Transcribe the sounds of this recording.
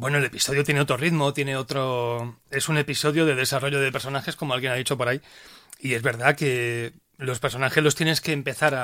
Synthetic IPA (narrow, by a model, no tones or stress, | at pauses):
bwe̞noe̞le̞piso̞ð̞jo̞t̪jeneo̞t̪ɾo̞riðmo̞t̪je̞ne̞o̞t̪ɾoe̞sune̞piso̞ðjoðe̞ð̞e̞saro̞ʝoð̞e̞pe̞ɾso̞naxe̞sko̞moalɣjenaðit͡ʃo̞po̞ɾajie̞zβe̞ɾðake̞ | lo̞spe̞ɾso̞naxezlo̞st̪jene̞ske̞ːmpe̞θaɾa